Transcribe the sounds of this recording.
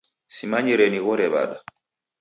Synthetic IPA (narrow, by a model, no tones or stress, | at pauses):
simaɲiɾɛniɣɔɾɛβa̰ɗa